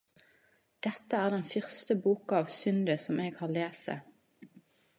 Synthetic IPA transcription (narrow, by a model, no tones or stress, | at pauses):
d̪̥ɛt̪əæːʁd̪ɛnfʏʁst̪əbuːkɑɑːʋsʏnd̪əsɔmeːɡhɑːleːsə̰